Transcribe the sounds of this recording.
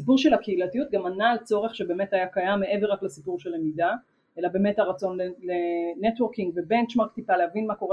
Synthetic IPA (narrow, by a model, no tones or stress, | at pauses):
sipuʁʃelakeilatijut̚ɡamanaːlt͡so̞ʁe̞χʃebe̞ːme̞tajakajamːeʔe̞veʁaklesipuʁʃelemida | elabe̞ːme̞thaʁat͡so̞nlelenetwoʁkiŋɡvebe̞nt͡ʃmaʁkt̪ipalehavinmako̞ʁe